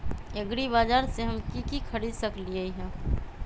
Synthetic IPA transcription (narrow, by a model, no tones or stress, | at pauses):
eɡɾibad͡ʒaɾseɦəmkikikʰəɾid̪səkliəiɦɛ̃